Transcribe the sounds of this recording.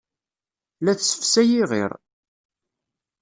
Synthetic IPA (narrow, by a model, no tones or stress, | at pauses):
læθsə̥fsæjiʁḭɾ